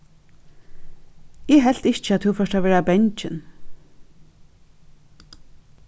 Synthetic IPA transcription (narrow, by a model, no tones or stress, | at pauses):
ɛːɦɛl̥t̪ɪçt͡ʃəat̪θʰʊwfœʃthaʋɛːɹabɛɲt͡ʃɪn